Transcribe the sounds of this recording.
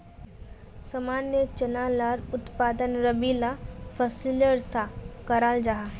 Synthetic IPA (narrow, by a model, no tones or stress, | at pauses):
sɐmaːnjət͡ʃɐnaːlaɾʊt̪paːd̪ənɾəbilafʰəsiləɽsakəɾaːld͡ʒaɦaː